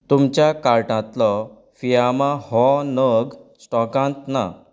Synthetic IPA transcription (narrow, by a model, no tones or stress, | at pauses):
t̪umt͡ɕjakaɾʈãt̪lɔ | fijamãhɔnəɡsʈɔkãnt̪na̰